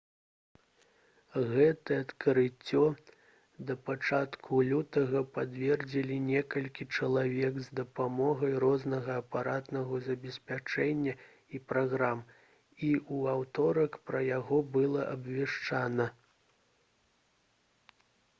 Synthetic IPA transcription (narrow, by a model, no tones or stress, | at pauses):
ɣɛt̪ɐɐt̪kɐɾɨt͡sʲːɔ | d̪ɐpat͡ʂat̪kʰulʲut̪ɐɣɐpad̪vʲɛrd͡zʲilʲinʲɛkɐlʲkʲit͡ʂɐlˠavʲɛɡzd̪ɐpamɔɣɐjɾɔznɐɣɐːpaɾat̪nɐɣɐzɐbʲɛsʲpʲat͡ʂɛnʲːɐ | ipɾaɣɾam | iʔuawt̪ɔɾɐkpɾɐjaɣɔbɨlˠɐʔɐbvʲɛʂt͡ʂanɐ